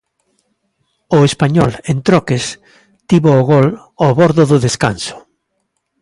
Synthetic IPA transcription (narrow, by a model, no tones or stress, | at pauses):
ʊespaɲɔlent̪ɾɔkes | t̪iβoːɣɔl | oβɔɾðʊðʊðeskansʊ̥